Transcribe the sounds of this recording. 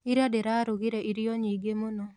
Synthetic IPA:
iɾadeɾaɾuɣiɾeʔiɾijɔɲiɡemonɔ

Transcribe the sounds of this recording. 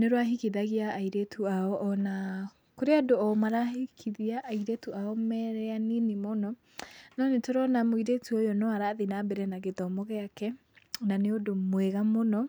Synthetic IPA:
neɾwaɦikiðaɣiaːiɾetʰuaɔʔːna | koɾeadoɔmaɾahikʰiðiaʔːiɾetuaɔmɛɾɛaninemɔnɔ | nɔnetoɾɔnamwiɾetuojɔnɔaɾaðenabɛɾɛnaɣeðɔmɔɣɛakɛ | naneodomwɛɣamonɔ

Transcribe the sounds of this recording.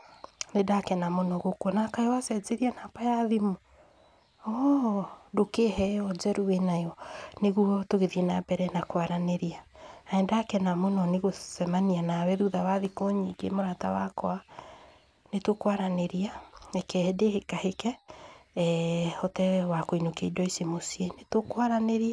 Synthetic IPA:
nedakɛnamonɔɣokwɔnakaɔwasɛt͡seɾianapajaðimo | ɔ | dokehɛɔd͡ʒɛɾuwenajɔneɣuɔtoɣeðienabɛɾɛnakwaɾaneɾiaaɛndaːkɛnamonɔneɣoθɛmanianawɛðuðawaðikoɲiɡḛmoɾata̰wakɔa | netokwaɾaneɾiaekɛɛdehekahekɛ | hɔtɛwakoinokeidwɔisemosienetokwaɾaneɾia

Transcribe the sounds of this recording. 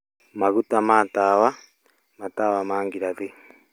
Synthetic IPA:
maɣutamaːtawa | matawamaːŋɡiɾaði

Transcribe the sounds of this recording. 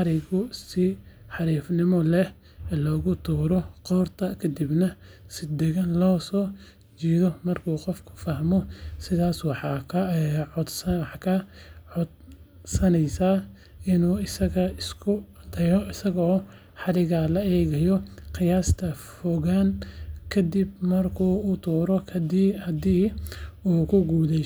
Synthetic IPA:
ħɑɾɪɣʊsɪħɑɾiːfnɪmɔlɛ | lɔːɣʊt̪ʰuːɾɔqɔːrt̪ʰɐkʰɐd̪ibnɐ | sɪd̪ɛɣɐnlɔːsɔː | t͡ʃiːðɔmɐrkʰuːqɔfkʰʊ̥fɐhmɔsɪðaːswɑħɑkʰʕʊd̪sɐwɑħkʰɐʕʊd̪ | sɐnɛjsaː | ɪnuːɪsɐɣɐɪskʰʊd̪ʰɐjɔɪsɐɣɔː | ħɑlɪɣɐlɐɛːɣɐjɔqɪjaːst̪ʰɐfɔɣaːnkʰɐd̪ibmɐrkʰuːut̪ʰuːɾɔkʰɐd̪iːhɐd̪iːuːkʰʊɡuːlɛ

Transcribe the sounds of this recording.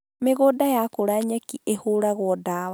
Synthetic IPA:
meɣoːdajakoɾaɲakiehoɾaɣwɔdawa

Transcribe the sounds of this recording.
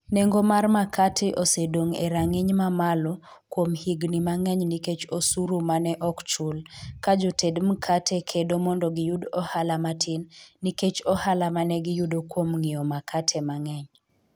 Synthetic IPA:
neŋɡomarmakʰatʰɪʔosedoŋḛɾaŋɪɲmamalɔ | kwomhiɡnimaŋɛɲniket͡ʃosuɾumanɛʔɔkt͡ʃulkad͡ʒotʰedm̩kʰatʰɛkʰedomɔndɔɡɪjudɔhalamatʰɪnːiket͡ʃɔhalamanɛɡɪjudokwomŋɪɔmakʰatʰɛmaŋɛɲ

